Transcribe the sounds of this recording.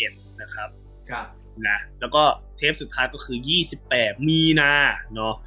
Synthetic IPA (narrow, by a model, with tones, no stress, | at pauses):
e˨˩t̪̚na˦˥kʰa˦˥p̚ | na˦˥lɛː˦˥wkɔː˥˩t̪ʰeː˦˥p̚su˨˩t̪ʰːaː˦˥jkɔː˥˩kʰɯː˧jiː˥˩si˨˩pːɛː˨˩t̪̚miː˧naː˧nɔ˦˥